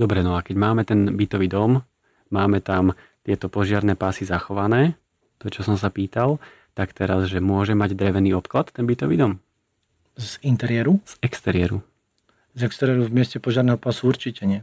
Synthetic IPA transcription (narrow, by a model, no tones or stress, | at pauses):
d̪ɔbɾɛnɔakɛɟmaːmɛt̪ɛnbit̪ɔʋiːd̪ɔm | maːmɛt̪am | t̪ɪɛt̪ɔpɔʒɪaɾnɛːpaːsizaxɔʋanɛː | t̪ɔt͡ʃɔsɔms̬apiːt̪alˠ | t̪akt̪ɛɾazʒɛmʊɔʒɛmaɟd̪ɾɛʋɛniːɔpklat̪ːɛnbit̪ɔʋḭːd̪ɔm | zint̪ɛɾɪɛɾuz̥ɛkst̪ɛɾɪɛɾu | zɛkst̪ɛɾɪɛɾuvmɪɛscɛpɔʒɪaɾnɛɦɔpaːsuuɾt͡ʃicɛɲɪɛ